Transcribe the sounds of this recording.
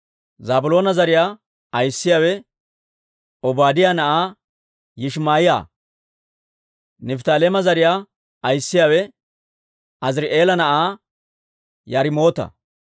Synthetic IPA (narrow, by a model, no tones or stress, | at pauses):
zaːbʊlo̞ːnɐzɐɾɪjaː | ɐjsːɪjaːwɛ | ɔbaːd̪ɪjaːnɐʔaː | jɪʃmaːjɪja̰ː | nɛft̪aːleːmɐzɐɾɪjaː | ɐjsːɪjaːwɛ | ɐzɪɾʔe̞ːlɐnɐʔaː | jɐɾɪmo̞ːt̪ɐ̰